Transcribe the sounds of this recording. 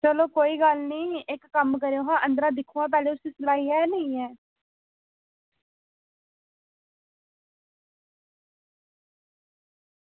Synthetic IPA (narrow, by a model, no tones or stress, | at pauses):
t͡ʃəloːkoːiːɡəlnĩːɪkːəmkəɾeoːɦãːʔə̃nd̪ɾãːd̪ɪkʰũːãːp̬ɛːleːʊsiːsəlaːɦiːɛːnəĩːɛː